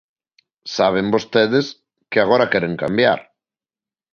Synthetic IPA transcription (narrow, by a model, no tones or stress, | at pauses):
saβ̞embost̪ɛðes | keaɣ̞oɾakɛɾeŋkambja̰ɾ